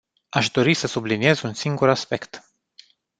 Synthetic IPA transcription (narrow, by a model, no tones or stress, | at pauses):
aʃd̪o̞ɾisəsublinie̞zunsiŋɡuɾaspe̞kt̪